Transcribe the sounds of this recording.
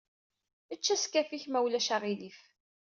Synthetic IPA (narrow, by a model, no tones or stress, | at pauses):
ət͡ʃːæskæfiçmæwlæʃaʁilif